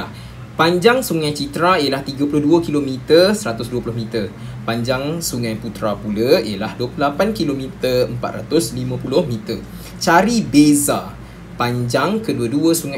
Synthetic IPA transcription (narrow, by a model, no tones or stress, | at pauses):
paɲd͡ʒaŋsuŋãjt͡ʃit̪ɾaiəlaht̪iɡapulʊhduəkilomĩt̪ərsəɾat̪ʊsduəpulʊhmĩt̪ər | paɲd͡ʒaŋsuŋãjput̪ɾapuləiəlahduəplulapankilomĩt̪əəmpa̰t̪̚ra̰t̪ʊslimãpulʊhmĩt̪ə | t͡ʃaɾibeza | paɲd͡ʒaŋkəduəduəsuŋa